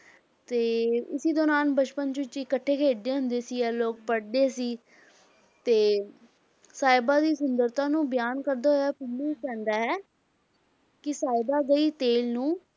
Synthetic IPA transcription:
t̪eːʊsiːd̪oːnaːnbət͡ʃpənt͡ʃʊt͡ʃɪkəʈʰːeːkʰeːɖd̪eːɦʊ̃nd̪eːsiːɛːloːk̚pəɽd̪eːsiː | t̪eː | saːɪbaːd̪iːsʊnd̪əɾt̪ãːnũːbɪjaːnkəɾd̪aːɦoːjaːpʰɪnːikɛ̃ːnd̪aːɦɛː | kɪsaːɪbaːɡəiːt̪eːlnũː

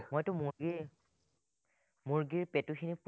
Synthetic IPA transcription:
mojtʊmuɡi | muɹɡiɹpetuxʰinip

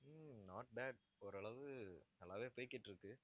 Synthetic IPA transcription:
naːʈ̚bæːɖ | ɔɾɯɐɭɐʋɯnɐlːaːʋeːpoːjkːɪʈːɪɾɯkːɯ

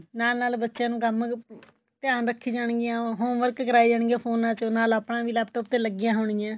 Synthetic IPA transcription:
naːlnaːlbətːʃjãːnũːkəm | t̪ɪjaːnɾəkʰːiːd͡ʒaːɳ̃ɡɪjãːɦoːʋəɾkkəɾaːiːd͡ʒaːɳɡãːpʰoːnãːt͡ʃonaːləpɳãːʋiːlaːb̚t̪əːpt̪ːeːləɡɪjãːɦoːɳ̃ijãː

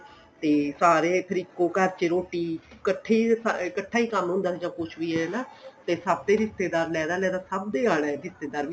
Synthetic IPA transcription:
t̪eːsaːɾeːpʰɪɾɪkːoːkəɾt͡ʃeɾoːʈiːkəʈʰːeːskəʈʰːaːiːkəmɦʊ̃nd̪aːsid͡ʒãːkʊt͡ʃʰʋiːɛːnaːt̪eːsəb̚d̪eːɦɪst̪eːd̪aːɾlɛːd̪aːlɛːd̪aːsəb̚d̪eːaːɽɛ̃ːɦɪst̪eːd̪aːɾʋi

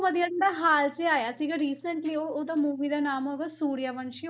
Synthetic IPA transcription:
ʋəd̪ijaɖaɦaːlt͡ʃeaːjaːsiɡaɾiːsəɳʈlioːoːd̪amuːʋid̪aːnaːmoɡasuːɽijaːʋɐnʃi

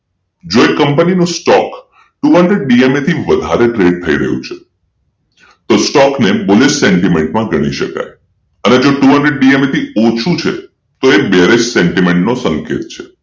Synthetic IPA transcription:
d͡ʒoekːəmpəninũsʈɔk | ʈuɦəɳɖɾeɖ̚ɖiemet̪ʰiʋəd̪ʱaɾeʈɾeɖ̚t̪ʰəiɾəɦjṵ̃t͡ʃʰe̥ | t̪osʈɔkneboleʃseɳʈimeɳʈmãɡəɽ̃iʃə̰ka̰j | əned͡ʒoʈuɦə̃ɳɖɾeɖɖiemet̪ʰiot͡ʃʰũt͡ʃʰḛ | t̪oebeɾed͡ʒseɳʈimẽɳʈnosəŋkḛt̪̚t͡ʃʰe

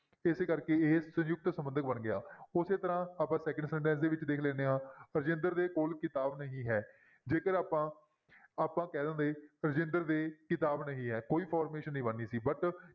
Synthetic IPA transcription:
ɪseːkəɾkeːeːsə̃jʊk̚t̪səmbənd̪ək̚bənɡɪja̰ːʊseːt̪əɾãːaːpãːsɛːkə̃ɳɖsɛ̃ːɳʈɛ̃ːns̬d̪eːʋɪt͡ʃd̪eːkʰlɛːneːɦãːɾəd͡ʒɪ̃nd̪əɾd̪eːkoːlkɪt̪aːbnəɦĩːɦɛː | d͡ʒeːkəɾaːpãː | aːpãːkɛːd̪ə̃ːnd̪eːɾəd͡ʒɪ̃nd̪əɾd̪eːkɪt̪aːbnəɦĩːɦɛːkoːiːpʰɔːɾmeːʃənːĩːbənːiːsiːbəʈ

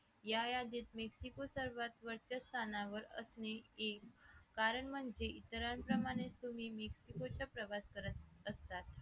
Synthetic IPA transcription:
jajad̪iːt̪meksikosəɾʋat̪ʋəɾt͡ɕast̪ʰanaʋəɾə̰sneekːaɾəɳm̤əɳd͡zeʔit̪əɾanpɾəmaɽ̃et͡st̪um̤iːmeksikot͡ɕjapɾəʋaskəɾət̪̚əst̪at̪

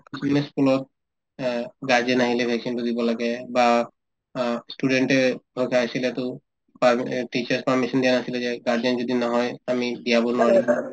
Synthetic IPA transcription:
isineskulɔt̪̚ | ɡaɹd͡ʒɛnaɦilɛbʱɛksintud̪ibɔlaɡɛba | sʈuɖeɳʈɛɦojkʰaasilɛt̪ʊ | paʈit͡ʃaɹspaɹmisɔnd̪ijanasilɛzɛɡaɹd͡ʒɔnzod̪inɔɦɔjamid̪ijabonʊaɹi

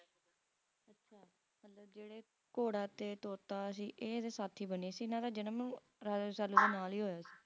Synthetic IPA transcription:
ətːʃʰaː | mət̪ləb̚d͡ʒeːɽeː | koːɽaːt̪eːt̪oːt̪aːəs̬iːʔeːd̪eːsaːt̪ʰiːbəniːsiːɪnãːt̪ãːd͡ʒɪnãːmñː | ɾaːd͡ʒsaːluːd̪eːnaːliːɦoːjaːsi̥ː

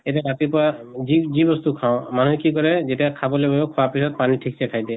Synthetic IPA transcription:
etaɾatipɔɹazizibɔst̪ukʰaʊ̃manuɦɛkikɔɹɛzetiakʰabɔlojbabokʰɔwapisɔt̚panitʰikʰisɛkʰajdɛ

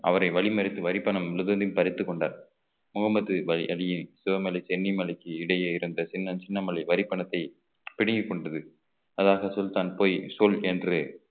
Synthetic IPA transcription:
ɐ̰ʋɐɾɐɪʋɐɭɪmɐɾɪt̪ːɯʋɐɾɪpːɐɳɐmɪlɯðɐnd̪ɪmpɐɾɪt̪ːɯkːɔɳɖa̰ːɾ | mʊɣɐmɐt̪ːɯʋɐɭɪʔɐlɪjɪnsʊʋɐmɐlɐɪsɛnːimɐlɐkːɯɪɽɐjɐɪɾɯnd̪ɐt͡ʃɪnːɐnt͡ʃɪnːɐmɐlɐɪʋɐɾɪpːɐɳɐt̪ːɐɪ | pɪɽɪŋɡɯkːɔɳɖɐðɯ | ɐðaːɣɐsɔlt̪aːnpoːjsɔlɛndrɯ

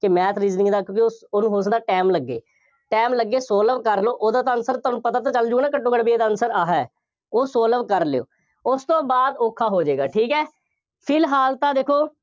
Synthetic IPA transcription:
kɪmɛːt̪ʰɾiːznĩːd̪aːkjõːkeosoːnũːɦoːs̬d̪aːʈɛːmləɡːḛː | ʈɛːmləɡːeːsoːləʋkəɾloːʔoːd̪aːt̪aənsəɾt̪ɔːnũːpət̪aːt̪ãːt͡ʃəld͡ʒunãːkəʈːõːkəɽbieːd̪aːənsəɾaːɦɛː | oːsoːləʋkəɾleo̰ː | ʊst̪õːbaːd̪oːkʰːaːɦoːd͡ʒeːɡaːʈʰiːkɛː | pʰɪlɦaːlt̪ãːd̪eːkʰoː

